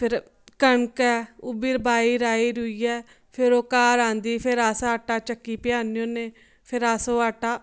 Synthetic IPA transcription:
pʰɪɾ | kəɳkɛːʊbiːɾbaːiːɾaːiːɾʊiːɛː | pʰɪɾoːkaːɾãːnd̪iːpʰɪɾaːsaːʈaːt͡ʃəkːiːpɪjaːnijõːneː | pʰɪɾaːsoːaːʈaː

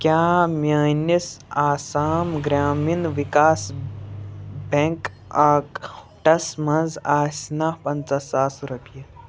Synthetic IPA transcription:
kjaːmaːnisaːsaːmɡɾaːminʋikaːs | beŋk | aːk | ʈɐsmɐnzaːsnapɐnt͡sɐsaːsɾɐpijɐ

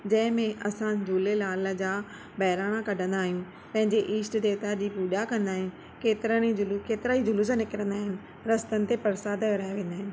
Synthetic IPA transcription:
d͡ʑɐ̃ɦɪ̃mẽʔɐsãd͡ʑʱuːlelaːlə̆d͡ʑaː | bɐɦɪɾaːɽ̃akɐɖʱə̃nd̪aːɦijũ | pɐ̃ɦɪ̃ɲd͡ʑeʔiːsʈd̪eːʋt̪ad͡ʑiːpuːʄakɐ̃nd̪aːɦijũ | keːt̪ɪɾəɽ̃id͡ʑʊlukeːt̪ɪɾaid͡ʑʊlus̬ãnɪkɪɾə̃nd̪aːɦɪnɪ̆ | ɾɐst̪ənɪ̆t̪epɐɾsaːd̪ʋɾaːeʋẽːn̆d̪aːɦɪj̃

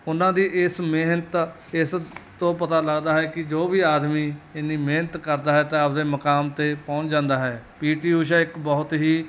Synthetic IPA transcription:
ʊnãːd̪iːʔɪsmeːnət̪ | ɪst̪õːpət̪aːləɡd̪aːɦɛːkɪd͡ʒoːʋiːaːd̪miːɪniːmeːnət̪kəɾd̪aːɦɛːt̪ẽːəpd̪eːməkaːmt̪eːpɔ̃ʊ̃t͡ʃd͡ʒãːnd̪aːɦɛːpiːʈiːuːʃ̬əɪkbɔːʊt̪ɦiː

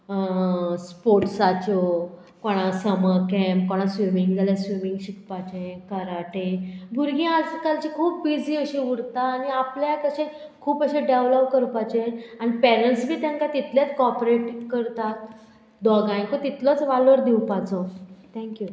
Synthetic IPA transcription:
əspoɾʈsat͡ɕɔ | koɽ̃asəməɾkɛmpkoɽ̃asʋimiŋɡd͡zʱaljasʋimĩŋɡɕikpat͡ɕẽkəɾaʈeɡʱuɾɡĩad͡zkalt͡ɕikʰuːpbid͡ziːəɕiuɽt̪aːniapljakəɕe | kʰuːpəɕeɖeʋlɔpkəɾpat͡ɕẽanipɛɾəlʈsbʱiːt̪jãŋkat̪it̪ljat͡s̪kɔpɾeʈkəɾt̪at̪̚ | d̪ɔɡãj̃kot̪it̪lɔt͡sʋalʋəɾd̪iwpat͡sɔt̪ʰɛ̃ŋkju

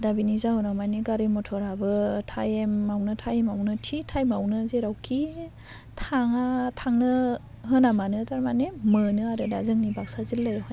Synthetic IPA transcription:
dabinizaɦɔnawmajniɡaɾemɔtʰɔɾabɯtʰajemːawnɯtʰajemawnɯtʰitʰajmawnɯzeɾawkʰi | tʰaŋatʰaŋnɯ | ɦɯnamanɯtaɾmanemɯnɯaɾɯdazɯŋnibak̚sazilːajɦɔj

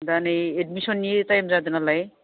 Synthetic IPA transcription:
d̪anejeɖmiʃɔnːijetajmzad̪enalaj

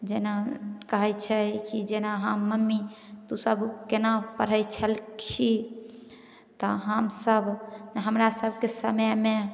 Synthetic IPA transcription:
d͡ʒenakəɦɛt͡ʃʰɛkid͡ʒenaɦaːəmːi | t̪usəbkenapəɾ̤əjt͡ʃʰəlkʰi | t̪ɔɦəmsəbʱɦəmɾasəbʱkesəməme

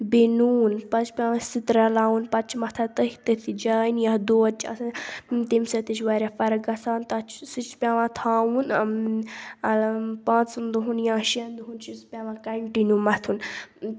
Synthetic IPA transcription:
binuːnpɐt͡ʃpʲãːʋãsit̪ɾɐlaːunpɐt͡ʃʰmɐt̪ʰat̪əɦit̪ət̪ʰid͡ʒaːinjɐɦd̪oːt͡ʃɐ̰st̪imsɐt̪it͡ʃʰʋaɾʲafɐɾɐɡɐsaːnt̪ɐt͡ʃʰsit͡ʃʰpʲaʋãt̪ʰaːwun | ɐlpãːt͡snd̪uɦunjãːʃiɐnd̪uɦunʃispʲaʋãkɐɳʈinumɐt̪ʰun

